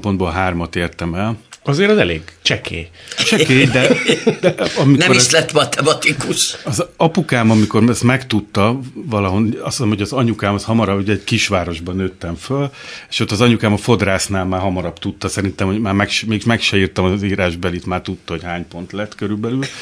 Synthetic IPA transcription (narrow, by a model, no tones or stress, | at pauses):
po̞nd̪boːlɦaːrmɒt̪eːrt̪ɛmɛlɒzeːɾɒzɛleːɡt͡ʃɛkʰḛː | t͡ʃɛkeːd̪ɛd̪ɛʔɒmiknɛoʃlɛt̪ːmɒt̪ʰɛmɒt̪ikuʃɒzɒpukaːmɒmiko̞rɛst̪mɛkt̪ut̪ːɒvɒlɒɦo̞nɒsimhoɟɒzɒɲukaːmɒshɒmɒɾɒbuɟɛːɟkiʃʋaːɾo̞ʒbɒnøːt̪ːɛɱføle̥ʃot̪ːɒzɒɲukaːmɒfo̞d̪raːsnaːlmaːɦɒmɒɾɒbt̪ut̪ːɒsɛɾint̪ɛmhoɟmaːrmɛkʃmeːɡiʃmɛkʃɛiːrt̪ɒmɒziːɾaːʒbɛlit̪maːrt̪ut̪ːɒɦo̞chaːɲpo̞nt̪lɛt̪ːkøɾybɛlyl